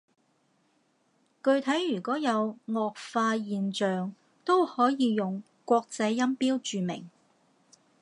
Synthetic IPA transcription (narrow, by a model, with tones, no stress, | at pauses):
kɵ˧ɥt̪ʰɐ˨˥jːyː˨˩kɔː˨˥jɐ˨˧wŋɔː˨k̚faː˧jiː˨˧nt͡ʃœː˨ŋ | t̪o˥whɔː˨˥jiː˨˧jʊ˨ŋ | kʷɔː˧k̚t͡sɐ˧jːɐ˥mpiː˥wt͡ʃyː˨mɪ̰˨˩ŋ